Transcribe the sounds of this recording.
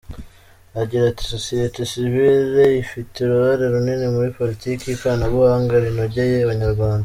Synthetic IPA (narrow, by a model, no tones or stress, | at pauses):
aɟiɾati̥so̞sijetesiviɾeifiteɾuβaɾeɾuninimuɾipo̞litiːkiikaːnaβuhaːŋɡaɾinoɟejeaβaɲaɾɡwaːnda